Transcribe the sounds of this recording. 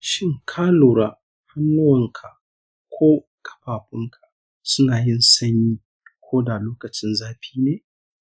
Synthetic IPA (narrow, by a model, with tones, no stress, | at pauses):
ʃɪ˦ŋkʰaː˦loː˨ɾaː˦ | ha˦nːʊ˦wɐ˨ŋkʰa˨ʔ | kʷʰoː˦ | kʼɐ̥˨ɸaː˨ɸɪ˦ŋkʰa˨ | sʊ˦naː˨jɪ˦nsɐ˦ɲjiː˦ | kʷoː˦da˨loː˦kɐ˨t͡ʃɪ˦nzaː˦ɸiː˦neː˨